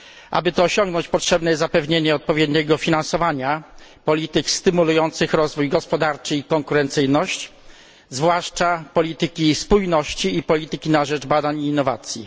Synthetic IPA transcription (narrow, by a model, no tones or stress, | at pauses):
ʔa̰bɘt̪ɔːɕɔŋɡnɔɲt͡ɕpɔtʂɛbnɛjɛzzapɛvɲeɲɛɔt̪̚pɔvʲjɛd̪ɲɛɡɔfʲinãnsɔvaɲapɔlʲit̪ɘkst̪ɘmulujɔnt̪sɘxɾɔzvujɡɔspɔd̪aɾt͡ʂɘikɔŋkuɾɛnt̪sɘjnɔɕt͡ɕ | zvwaʂt͡ʂapɔlʲit̪ɘkʲispujnɔɕt͡ɕiːpɔlʲit̪ɘkʲinaʐɛd͡ʐbad̪aɲiːnːɔva̰t̪sʲjḭ